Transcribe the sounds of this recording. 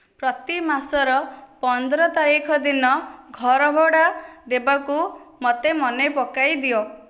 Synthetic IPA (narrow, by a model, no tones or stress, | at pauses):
pɾɔt̪imasɔɾɔpɔnd̪ɾɔt̪aɾikʰɔd̪inɔɡʱɔɾɔbʱɔɽad̪ebakumot̪emɔnepɔkajd̪iɔ